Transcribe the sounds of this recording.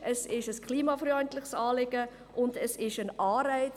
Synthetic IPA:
ʔəsɪʃəskʰliːmɑfɾyɔʏntlɪχsɑːlɪɡə | ʔʊndəsɪʃənɑːɾæɪ

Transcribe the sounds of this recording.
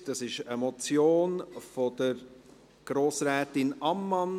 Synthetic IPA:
d̥ɑsɪʃəmɔt͡sjoːnfɔd̥əɾ | ɡ̥ɾoːsɾɛːtɪnɑmːɑn

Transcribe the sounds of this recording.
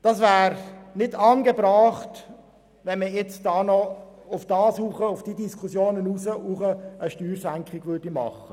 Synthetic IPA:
d̥ɑsvæːɾnɪdɑːnɡəbɾɑːχt | ʋɛnməjɛt͡sd̥ɑːnɔʊfd̥ɑːsuːχəʊfd̥idiskʰusjoːnənuːsəʔuːχəəʃtyːrsæŋkχɪɡ̥ʋʏrdimɑ̰χːə

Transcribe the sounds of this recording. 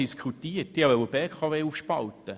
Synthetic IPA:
iskʰχutiːətd̥ihɑvɛwəbɛkʰχɑveːufʃpɑlt̪ə

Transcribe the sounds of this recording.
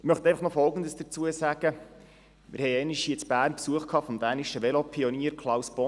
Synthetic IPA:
mœχtɛɪfɑχnɔfɔlˠɡəndəsd̥ət͡suəsæɡ̥ə | mɪ̰ɾhɛjɛniʃiət͡sb̥æːrnpsuəχkʰɑːfɔmd̥̪æːniʃəʋɛlopʰiɔniːəɾkʰlˠɑwsb̥ɔ

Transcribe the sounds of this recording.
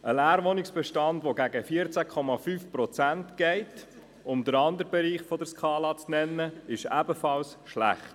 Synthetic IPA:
əlæːɾʋɔniksb̥ɛʃtɑndʋoɡæɡəfiəɾt͡sækʰɔmɑfyːfpɾɔt͡sæntɡ̥ɛɪt | ʊmd̪əɾɑnd̪əɾbɛɾiːχfɔdəɾskʰɑːlɑt͡snɛnːəɪʃæbəfɑlsʃlæ̰χt̪

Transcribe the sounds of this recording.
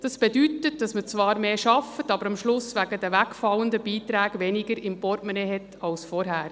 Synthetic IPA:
d̥ɑsb̥ɛdytət̚d̥ɑsmət͡sʋɑːɾmeːʃɑfətɑbəɾɑmʃlʊsʋæɡədəʋækfɑlːəndəbiːtɾæːɡ̥ʋɛniɡəɾɪmpɔrtmɛnɛɦɛtʰɑlsfɔɾɦæːɾ

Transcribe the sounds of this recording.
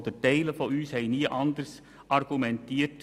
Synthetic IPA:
d̥̪ətɛɪləfɔyːshɛɪniːəʔɑnd̪əɾs | ʔɑɾɡ̥umɛnt̪iːət

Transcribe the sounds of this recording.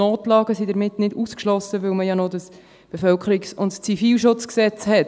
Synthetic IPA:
oːtlɑːɡəsidəɾmɪtnɪduskʃlɔsəʋɵlməjɑnɔdəs | b̥efœlkʰəɾiksʊntt͡sifiːlʃʊt͡sksɛt͡shɛt

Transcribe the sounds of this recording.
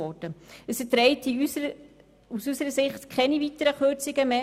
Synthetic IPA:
ɔd̥əəsətɾɛɪti | usysəɾəsɪχtkʰɛnivitəɾəχøɾt͡sɪɡəme

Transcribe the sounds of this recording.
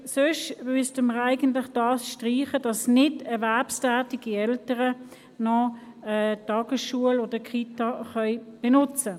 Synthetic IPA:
søʃmʏstəməʁæɪɡəntlɪχd̥ɑːsʃtʁiːχəd̥ɑsnɪdɛɐvɛɐpstæːtiɡ̥iɛltəʁə | nɔ | ɛtɑːɡ̥əsʃuəloːd̥əkʰitɑχœʏb̥ɛnʊt͡sə

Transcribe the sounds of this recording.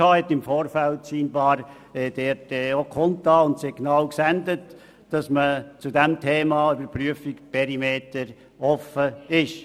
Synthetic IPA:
ɑːhɛt̪ːɪmfoːɾfælt̚t͡siːnbɑːɾ | ɛːd̥ɛːɾtɛokʰɔntɑːʊntseknɑwksændət | d̥ɑsmət͡sudɛmtʰeːmɑybəɾpɾyəfɪkpʰɛɾimeːtəɾ | ɔfəɪʃ

